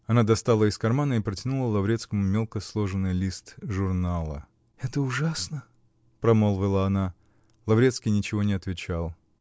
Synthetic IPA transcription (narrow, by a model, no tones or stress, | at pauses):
ɐnad̪ɐst̪alˠəɪskɐrmanəɪpɾətʲɪnulˠəlˠɐvɾʲt̪skəmʊmʲelˠkəslˠo̞ʐɨnːɨjlʲist̪ʐʊrnalˠə̰ | ɛt̪əʊʐasnə | pɾɐmolˠvʲɪlˠəɐna | lˠɐvɾʲet̪skʲɪjnʲɪt͡ɕɪvo̞nʲɪɐt̪vʲɪt͡ɕalˠ